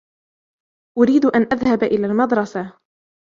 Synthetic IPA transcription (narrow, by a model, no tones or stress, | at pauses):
ʔʊɾiːd̪ʔanʔaðhabʔɪlaːlmad̪ɾˤɑsa